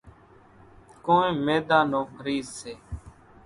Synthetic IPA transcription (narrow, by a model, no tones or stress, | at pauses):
koːẽːmeːd̪aːnoːkɾiːzseː